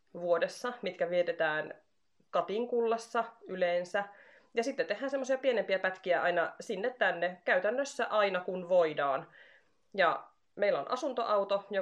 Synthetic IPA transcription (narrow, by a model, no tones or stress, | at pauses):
ʋuodesːɑmit̪kæʋiet̪et̪æːn | kɑt̪iŋkulːɑsːɑyleːnsæ | jɑsit̪ːet̪ːehːæːnsemːosiɑpienempiæpæt̪kiæʔɑinɑsinːet̪t̪ænːekæyt̪ænːøsːæʔɑinɑkunʋoidɑːn | jɑ | meilːo̰nʔɑ̰sunt̪oʔɑwt̪ojo